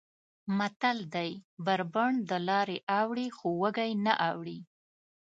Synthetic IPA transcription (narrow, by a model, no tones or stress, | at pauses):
mat̪ald̪ajbaɾbəɳd̪əlɑɾeʔawɽixowəɡajnaʔawɽi